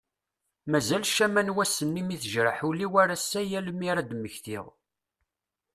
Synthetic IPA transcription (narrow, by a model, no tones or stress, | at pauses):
mæzælʃæmænwæsːənːimiθəʒɾəħuliwæɾasːæjæləmiɾad̪mːəçθḭʁˤ